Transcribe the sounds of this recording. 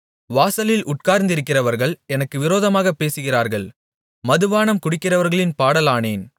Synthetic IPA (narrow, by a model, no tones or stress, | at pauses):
ʋaːsɐlɪlʔʊʈ̚kaːɾnd̪ɪɾɯkːɪrɐʋɐɾɣɐɭɛnɐkːɯʋɪɾoːðɐmaːɣɐpːeːsɯɣɪraːɾɣɐɭ | mɐðɯʋaːnɐmkʊɽɪkːɪrɐʋɐɾɣɐɭɪnpaːɽɐlaːneːn